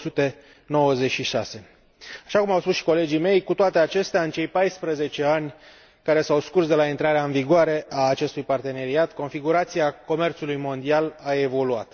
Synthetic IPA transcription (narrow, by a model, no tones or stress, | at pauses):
sut̪e̞ | no̞wəzet͡ʃʃiʃa̰se̞ | aʃakumawspusʃi̥ko̞le̞d͡ʒime̞jkut̪oat̪e̞at͡ʃe̞st̪eaɨnt͡ʃe̞jpajspɾəze̞t͡ʃe̞anʲ | kaɾe̞sawskursd̪e̞laint̪ɾaɾeaɨnviɡoaɾe̞ʔaːt͡ʃe̞st̪ujpart̪e̞ne̞ɾiat̪ko̞nfiɡuɾat̪siako̞me̞rt̪sulujmo̞nd̪ialae̞vo̞lua̰t̪